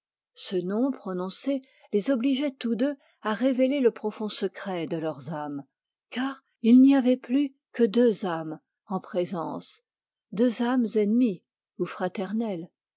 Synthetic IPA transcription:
sənɔ̃pχɔnɔ̃se | lezɔbliʒɛt̪ud̪ø | aʁeveleləpχɔfɔ̃səkχɛd̪əlœʁzam | kaːʁ | ilniavɛply | kəd̪øzam | ɑ̃pχezɑ̃s | d̪øzamzɛnmi | ufχat̪ɛʁnɛl

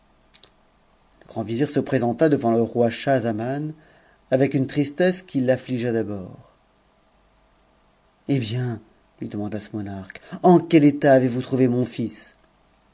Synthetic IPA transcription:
ləɡ̥ʁɑ̃viziʁsəpχezɑ̃t̪ad̪əvɑ̃ləʁwaʃazaman | avɛkynt̪χist̪ɛskʲilːafliʒad̪abɔːʁ | ebjɛ̃ | lɥid̪əmɑ̃d̪asəmɔnaʁkɑ̃kʲɛlet̪aːvevut̪χuvemɔ̃fis

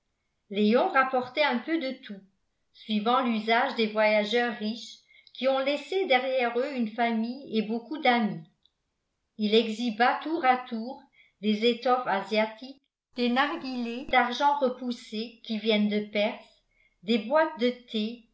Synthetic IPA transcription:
leɔ̃ʁapɔʁt̪ɛɛ̃pød̪ət̪ʰu | sɥivɑ̃lyzaʒd̪evwajaʒœʁːiʃ | kʰʲiɔ̃lɛsed̪ɛʁjɛʁøynfamijebokud̪ami | ilɛɡzibat̪uʁat̪uːʁ | d̪ezet̪ɔfazjat̪ik | d̪̥enaʁɡʲiled̪aʁʒɑ̃ʁəpusekʲivjɛnd̪əpɛʁs | d̪ebwat̪̚d̪ət̪ʰe

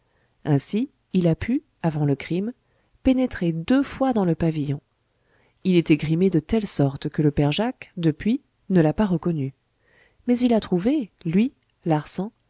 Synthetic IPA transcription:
ɛ̃si | ilapy | avɑ̃ləkχim | penet̪χed̪øfwad̪ɑ̃ləpavijɔ̃ | ilɛt̪ɛɡʁimed̪ət̪ɛlsɔʁt̪kələpɛʁʒakd̪əpɥi | nəlapaʁəkɔny | mɛzilat̪χuvelɥi | laʁsɑ̃

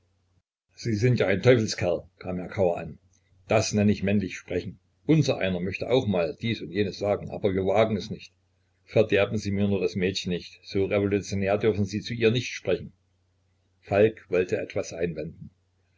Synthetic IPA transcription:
z̥iːzɪntjaːʔaɪntʰɔʏfl̩skʰɛɐlkʰaːmheːɐkʰaʊɐʔa̰n | d̥asnɛnəɪçmɛnlɪçʃpʁ̥ɛçn̩ | ʔʊnzɐʔa̰ɪnɐmœçtəʔa̰ʊxmaːld̥iːsʊntjeːnəsz̥aːɡŋ̩ʔa̰ːbɐviːɐvaːɡŋ̩ɛsnɪçt | fɛɐdɛɐbn̩ziːmiːɐnuːɐdasmɛːtçən̩nɪçtz̥oːʁevolut͡sjoneːɐdʏɐfn̩ziːt͡suʔiːɐnɪçtʃpʁ̥ɛçn̩ | falkv̥ɔltʰəʔɛ̰tv̥asʔaɪnvɛndn̩

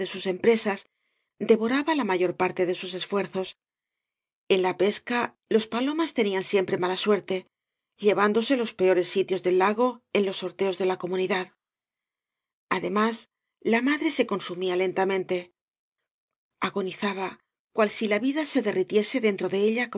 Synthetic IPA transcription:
esuse̞mpɾe̞sas | d̪e̞βo̞ɾaβalamaʝo̞ɾpaɾt̪e̞ðe̞suse̞sfwe̞ɾθo̞s | e̞nlape̞ska | lo̞spalo̞mast̪e̞niansje̞mpɾe̞malaswe̞ɾt̪e̞ | ʎe̞βand̪o̞se̞lo̞spe̞o̞ɾe̞sːit̪jo̞zðe̞lːaɣ̞o̞e̞nlo̞sːo̞ɾt̪e̞o̞zðe̞lako̞muniðað | aðe̞mas | lamaðɾe̞se̞ko̞nsumiale̞nt̪amẽ̞nt̪e̞ | aɣo̞niθaβa | kwalsilaβiðase̞ðe̞rit̪je̞se̞ðe̞nt̪ɾo̞ðe̞eʎak

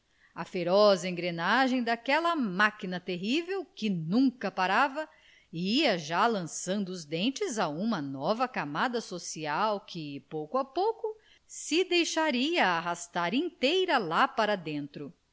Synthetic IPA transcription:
ɐfeɾɔzɐẽɡɾenaʒẽj̃d̪akɛlɐmakinɐt̪eɦivewkɪnũŋkɐpaɾavɐ | iɐʒalɐ̃sɐ̃nd̪ʊːzd̪ẽnt͡ʃɪzaũmɐnɔvɐkamad̪ɐsosiawkʰɪpowkʊapowkʊ | sɪd̪ejʃaɾiɐːɦast̪aɾĩt̪ejɾɐlapaɾɐd̪ẽnt̪ɾʊ

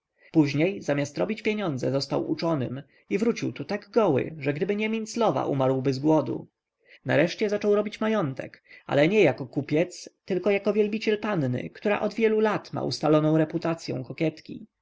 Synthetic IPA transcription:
puʑɲejzamʲjast̪ɾɔbʲit͡ɕpʲjeɲɔnd̪zɛzɔst̪awṵt͡ʂɔnɘ̰m | ivɾut͡ɕiwt̪ut̪aɡɡɔwɘ̰ʐɛɡd̪ɘbɘɲɛmʲint̪slɔva̰ʔumaɾwbɘzɡwɔd̪ṵ | na̰ɾɛʂt͡ɕɛzat͡ʂɔwɾɔbʲit͡ɕmajɔnt̪ɛ̰ka̰lɛɲɛjakɔkupʲjɛt̪st̪ɘlkɔjakɔvʲjɛlbʲit͡ɕɛlpannɘ̰kt̪uɾa̰ʔɔd̪vʲjɛlulat̪ma̰ṵst̪alɔnɔ̃w̃ɾɛput̪at̪sʲjɛ̰̃w̃kɔkʲjɛt̪kʲḭ

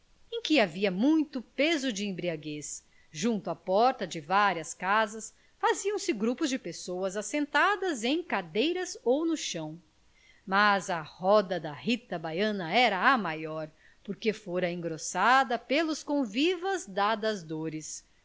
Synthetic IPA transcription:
ẽj̃kɪaviɐmũj̃t̪ʊpezʊd͡ʒɪẽbɾiaɡes | ʒũnt̪ʊɐpɔɾt̪ɐd͡ʒɪvaɾiɐskazɐs | faziɐ̃w̃sɪɡɾupʊzd͡ʒɪpesowɐzasẽnt̪ad̪ɐzẽj̃kad̪ejɾɐzownʊʃɐ̃w̃ | mazɐhɔd̪ɐd̪ɐhit̪ɐbajɐ̃nɐɛɾɐːmajɔɾ | poɾkefoɾɐẽŋɡɾosad̪ɐpelʊskõvivɐzd̪ad̪ɐzd̪oɾɪs

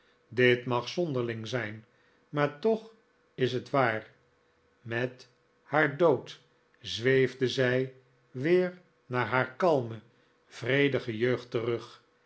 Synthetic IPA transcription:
dɪtmɑχsɔndəɹlɪŋzɛjn | maːɹtɔχ | ɪsɦətʋaːɹ | mɛt | haːɹdowt | zʋejvdəzɛj | ʋɪːɹ | naːɹɦaːɹkɑlˠmə | v̥rejdəχəjøɥχtərɵχ

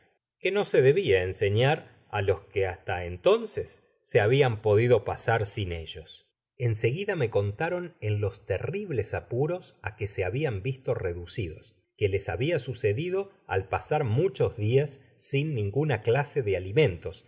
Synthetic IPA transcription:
ke̞no̞se̞ðe̞βiaense̞ɲaɾ | alo̞skeast̪aent̪o̞nsesː | e̞aβiampo̞ðiðo̞pasaɾsine̞ʒo̞s | e̞nse̞ɣiðame̞ko̞nt̪aɾo̞nenlo̞st̪eriβle̞sapuɾo̞sakese̞aβiambist̪o̞reðusiðo̞s | kele̞saβiasuse̞ðiðo̞ | a̰lpasaɾmut͡ʃo̞zðiasː | inːĩŋɡunaklase̞ðealimẽ̞nt̪o̞s

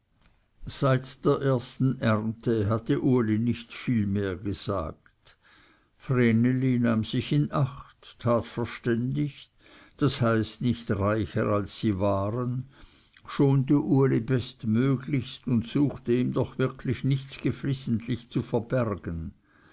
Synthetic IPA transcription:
z̥aɪtd̥eːɐʔeːɐstn̩ʔɛʁntʰəɦat̪əʔuɐlinɪçtfiːlmeːɐɡəz̥a̰ːk̚t | frenelinaːmz̥ɪçɪnʔaχtʰːaːtfɛɐʃtɛndɪç | d̥ashaɪstnɪçtʁaɪçə̰ʁalsːiːvaːʁən | ʃoːnt̬əʔuɐlibɛstmøːɡlɪçstʊntsuːxtəiːmd̪ɔχv̥ɪʁkʰlɪçnɪçt͡sɡ̥əflɪsn̩tʰlɪçt͡sufɛɐb̥ɛʁɡ̥ən

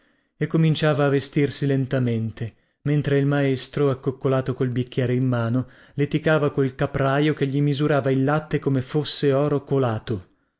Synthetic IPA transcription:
ekːomint͡ʃaːvaːvest̪irsilent̪ament̪e | ment̪ɾeilmaest̪ɾoakːokːolaːt̪okolbikʲːjɛːɾeimːaːno | let̪ikaːvakolkapɾaːjokeʎːimizuɾaːvailːat̪ːekomefosːeɔːɾokolaːt̪o

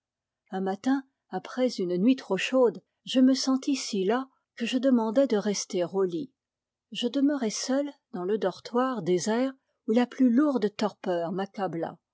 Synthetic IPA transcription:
ɛ̃mat̪ɛ̃ | apχɛzynnɥit̪χoʃod̪ | ʒəməsɑ̃t̪isila | kəʒəd̪əmɑ̃d̪ɛd̪əʁɛst̪eʁoli | ʒəd̪əməʁɛsœld̪ɑ̃ləd̪ɔʁt̪waʁd̪ezɛːʁ | ulaplyluʁd̪t̪ɔʁpœːʁmakabla̰

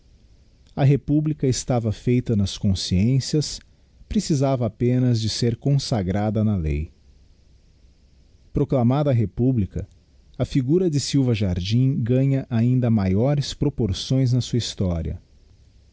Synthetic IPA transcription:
ɐɦepublikɐɪst̪avɐfejt̪ɐnɐskõsiẽsiɐs | pɾesizavɐːpẽnɐzd͡ʒɪseɾkõsaɡɾad̪ɐnɐlḛj | pɾoklamad̪ɐːɦepublikɐ̰ | ɐfiɡuɾɐd͡ʒɪsiwvɐʒaɾd͡ʒĩɡɐ̃ɲɐʔaĩnd̪ɐmajɔɾɪspɾopoɾsõj̃znɐsuɐist̪ɔɾiɐ̰

